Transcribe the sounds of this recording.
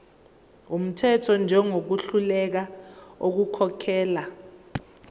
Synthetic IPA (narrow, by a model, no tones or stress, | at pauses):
um̩tʰɛtʰɔnd͡ʒʱɛŋok̬uɬulɛk̬aok̬ukʰɔkʰɛːla